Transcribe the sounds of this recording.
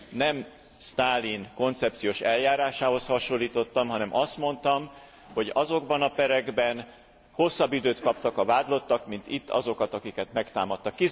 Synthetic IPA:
nɛm | st̪aːlinko̞nt̪sɛp̚t̪sijoːʃɛljaːɾaːʃaːho̞shɒʃolːiːt̪o̞t̪ːɒmɦɒnɛmʔɒst̪mo̞n̪t̪ɒm | ho̞ɟɒzo̞ɡbɒnɒpɛɾɛɡbɛn | ho̞sːɒbːid̪øːt̪kɒpt̪ɒkɒvaːd̪lo̞t̪ːɒkmint̪it̪ːɒ̰zo̞kɒt̪ɒkikɛt̪mɛkt̪a̰ːmɒt̪ːɒkːi

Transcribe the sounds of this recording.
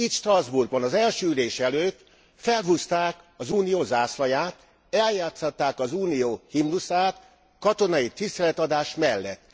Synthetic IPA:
it̪ʃt̪rɒzburɡ̚bɒnɒzɛlʃøːyleːʃɛløːt̪ | fɛlɦust̪aːk | ɒzuːnijoːzaːslɒjaːt̪ | ɛljaːt̪sɒt̪ːaːkɒzuːnijoːhimnusaːt̪ | kɒt̪o̞nɒjit̪ist̪ɛlɛt̪ɒd̪aːʃmɛlːɛt̪ː

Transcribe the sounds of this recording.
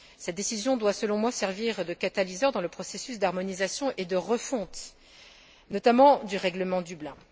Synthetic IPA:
sɛt̪̚d̪esizjɔ̃d̪wasəlɔ̃mwasɛʁviʁd̪əkat̪alizœʁd̪ɑ̃ləpχɔsesysd̪aʁmɔnizasjɔ̃ʔed̪əʁəfɔ̃t̪ | nɔt̪amɑ̃d̪yʁɛɡləmɑ̃d̪yblɛ̃

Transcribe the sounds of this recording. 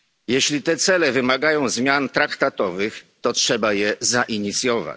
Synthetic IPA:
jɛɕlʲit̪ɛt̪sɛlɛvɘmaɡajɔ̃w̃zmʲjant̪ɾakt̪at̪ɔvɘxt̪ɔtʂɛbajɛzaʔiɲit̪sʲjɔva̰t͡ɕ

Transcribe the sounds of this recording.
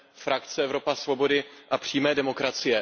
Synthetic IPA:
fɾakt͡sɛɛvɾo̞pasvo̞bo̞dɪʔapr̝̥iːmɛːdɛmo̞kɾat͡sɪjɛ

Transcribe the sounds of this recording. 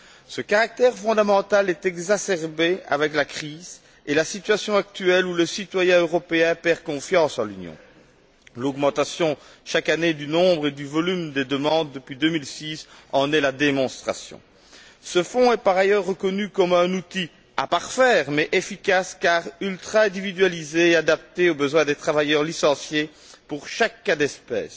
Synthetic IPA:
səkaʁak̚t̪ɛʁfɔ̃d̪amɑ̃t̪alɛt̪ɛɡzasɛʁbea̰vɛklakχiːz | elasit̪ɥasjɔ̃ak̚t̪yɛluləsit̪wajɛ̃øʁɔpeɛ̃pɛʁkɔ̃fjɑ̃sɑ̃lynjɔ̰̃ | lɔɡmɑ̃t̪asjɔ̃ʃakaned̪ynɔ̃bʁed̪yvɔlymd̪ed̪əmɑ̃d̪ːəpɥid̪ømilsisɑ̃nɛlad̪emɔ̃st̪χasjɔ̰̃ | səfɔ̃ɛpaʁajœʁːəkɔnykɔmɛ̃nut̪i | a̰paʁfɛːʁmɛʔefikʲaskaʁylt̪χaɛ̃d̪ivid̪yɥalizeːad̪ap̚t̪eobəzwɛ̃d̪et̪χavajœʁlisɑ̃sje | puʁʃakːad̪ɛspɛ̰ːs

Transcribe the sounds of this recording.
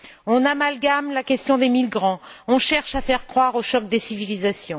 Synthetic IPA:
ɔ̃namalɡamlakʲɛst̪jɔ̃d̪emilɡʁɑ̃ɔ̃ʃɛʁʃafɛʁkχwaʁoʃɔk̚d̪esivilizasjɔ̃

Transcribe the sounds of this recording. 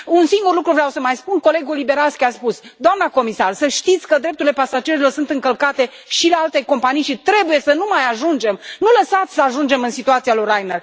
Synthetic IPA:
unsiŋɡurlukɾuvɾeawsəmajspunko̞le̞ɡulibe̞ɾaskʲiaspusd̪oamnəko̞misarsəʃt̪it̪sʲkəd̪ɾe̞p̚t̪uɾile̞pasad͡ʒe̞ɾilo̞rsunt̪ɨŋkəlkat̪e̞ | ʃilealt̪e̞ko̞mpanijʃit̪ɾe̞buje̞sənumajaʒund͡ʒe̞mnuləsat̪sʲsəaʒund͡ʒe̞mɨnsit̪uat̪sijalorajner

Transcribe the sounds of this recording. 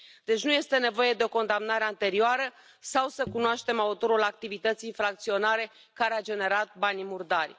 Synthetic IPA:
d̪̥e̞t͡ʃʲnuje̞st̪e̞ne̞vo̞je̞d̪e̞o̞ko̞nd̪amnaɾe̞ant̪e̞ɾioaɾə | sawsəkunoaʃt̪e̞maut̪o̞ɾulak̚t̪ivit̪ət̪siinfɾak̚t̪sio̞naɾe̞ | kaɾead͡ʒe̞ne̞ɾat̪̚banʲmurd̪arʲ

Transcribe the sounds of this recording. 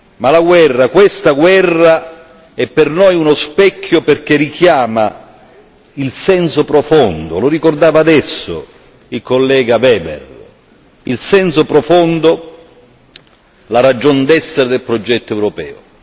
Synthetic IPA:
malaɡwɛrːakwest̪aɡwɛrːa | ɛpːɪrnɔjunospɛkʰːjoperk̟erikjaːma | ilsɛnsopɾofond̪ʊlʊrikord̪aːvaːd̪ɛsːo̰ | ilkolːɛːɡavɛːbɛ̰r | ilsɛnsopɾofond̪o | laɾad͡ʒɔnd̪ɛsːɪɾɪd̪elpɾod͡ʒɛt̪ːoɛwɾopɛːʊ̰

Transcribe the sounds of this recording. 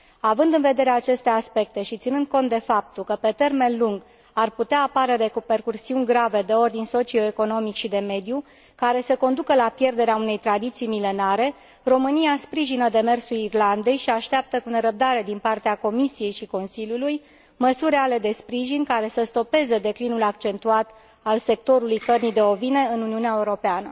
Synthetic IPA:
avɨnd̪ɨnve̞d̪e̞ɾeat͡ʃe̞st̪e̞aspe̞k̚t̪e̞ʃit̪sinɨnd̪̚ko̞nt̪̚d̪e̞fap̚t̪ulkəpe̞t̪e̞rme̞nluŋɡ | arput̪eaːpaɾeɾe̞kupe̞rkursiunʲɡɾave̞d̪e̞o̞rd̪inʲso̞t͡ʃio̞eko̞no̞mikʃid̪e̞me̞d̪ju | kaɾe̞səko̞nd̪ukəlapje̞rd̪e̞ɾeaune̞jt̪ɾad̪it̪sijmile̞naɾe̞ | ro̞mɨniaspɾiʒinəd̪e̞me̞rsulirland̪e̞jʃiaʃt̪eap̚t̪əkuneɾəp̚d̪aɾe̞d̪inpart̪eako̞misije̞jʃiko̞nsilʲjuluj | məsuɾeale̞d̪e̞spɾiʒinʲkaɾe̞səst̪o̞pe̞zed̪e̞klinulakt͡ʃe̞nt̪uat̪ | alse̞k̚t̪o̞ɾulujkərnid̪e̞o̞vine̞ɨnuniuneaeuɾo̞peanə

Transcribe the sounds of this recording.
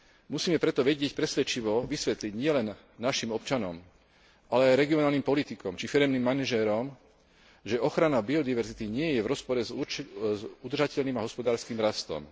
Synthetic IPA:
musiːmɛpɾɛt̪ɔʋɛɟɪɛcpɾɛsʋɛt͡ʃiʋɔʋisʋɛt̪liɟɲɪɛlɛnː | aʃimɔpt͡ʃanɔm | alɛajɾɛɡiɔnaːlnimpɔlit̪ikɔmt͡ʃifiɾɛmnimːanaʒɛɾɔm | ʒɛɔxɾanabiɔd̪iʋɛɾzit̪iɲɪɛjɛʋɾɔspɔɾɛzzud̪r̩ʒacɛʎniːmaɦɔspɔd̪aːɾskiːmɾast̪ɔ̰m

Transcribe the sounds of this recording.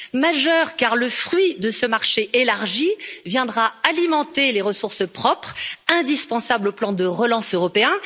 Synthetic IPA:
maʒœʁkaʁləfχɥid̪əsəmaʁʃeʔelaʁʒivjɛ̃d̪ʁaalimɑ̃t̪eleʁəsuʁsəpχɔpχɛ̃d̪ispɑ̃sabloplɑ̃d̪əʁəlɑ̃søʁɔpeɛ̃

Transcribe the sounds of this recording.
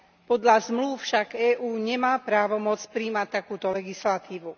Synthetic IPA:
pɔd̪ʎazmluːfʃaɡɛːʔuːɲɛmaːpɾaːʋɔmɔt͡spɾiːmac̚t̪ːakuːt̪ɔlɛɡislat̪iːʋu

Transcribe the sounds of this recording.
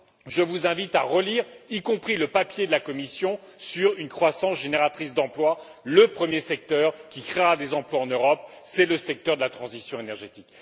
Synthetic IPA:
ʒəvuzɛ̃vit̪aʁəliʁikɔ̃pχiləpapjed̪əlakɔmisjɔ̃ | syʁynkχwasɑ̃sʒeneʁat̪χis̬d̪ɑ̃plwaləpχəmjesɛk̚t̪œʁkʲikχeʁad̪ezɑ̃plwaɑ̃nøʁɔp | sɛləsɛk̚t̪œʁd̪əlat̪χɑ̃zisjɔ̃enɛʁʒet̪ik

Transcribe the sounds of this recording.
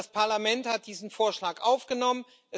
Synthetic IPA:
aspʰaɐlamɛnthat̚d̥iːzn̩foːɐʃlaːkʔaʊfɡ̥ənɔmən | ʔɛ

